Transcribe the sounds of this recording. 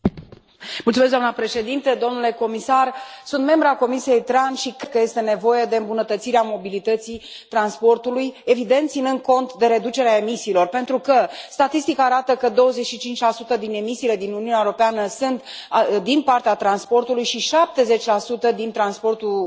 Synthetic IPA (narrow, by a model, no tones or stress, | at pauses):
mult̪sumes̬d̪oanəpɾe̞ʃe̞d̪int̪əd̪o̞mnule̞ko̞misarsunt̪me̞mbɾako̞misije̞jt̪ɾanʃikkəje̞st̪e̞ne̞vo̞je̞d̪e̞ɨmbunət̪ət̪siɾeamo̞bilit̪ət̪si | t̪ɾanspo̞rt̪uluje̞vid̪e̞nt̪sinɨnd̪̚ko̞nt̪d̪e̞ɾe̞d̪ut͡ʃe̞ɾeae̞misiːlo̞rpe̞nt̪ɾukəst̪at̪ist̪ikaːɾat̪əkəd̪o̞wəze̞t͡ʃʃit͡ʃint͡ʃʲlasut̪əd̪ine̞misiːle̞d̪inuniunaewoɾo̞peanəsɨnt̪d̪inpart̪eat̪ɾanspo̞rt̪ulujʃiʃap̚t̪e̞ze̞t͡ʃʲlasut̪əd̪int̪ɾanspo̞rt̪u